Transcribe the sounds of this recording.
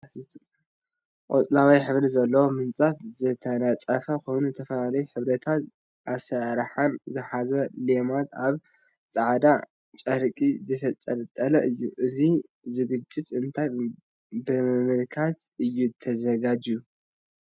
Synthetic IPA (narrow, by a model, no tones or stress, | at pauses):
ʔʼo̰t̪ʼlawajħɨβɾizɐlːɐwomɨnt͡sʼafzɨt̪ʰɐnat͡sʼɐfɐkʰo̞jnut̪ʰɐfɐlalɐjuħɨβɾɐt̪ʰat̪ | ʔasɐɾħanzɨħazɐlemat̪aβ | t͡sʼaʕd̪a | t͡ʃʼɐɾkʼizɨt̪ʰɐt̪ʼɐlt̪ʼːɐlɐʔɨjːuʔɨzi | zɨɡɨt͡ʃʼːɪt̪ʼɨnt̪ʰaj | bɨɨmɨlkʰat̪ɨjːut̪ʰɐzɐɡad͡ʒju